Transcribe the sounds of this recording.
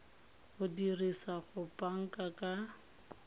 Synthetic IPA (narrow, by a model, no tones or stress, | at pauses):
ʊdirisaχʊpʼaŋ̩kʼakʼa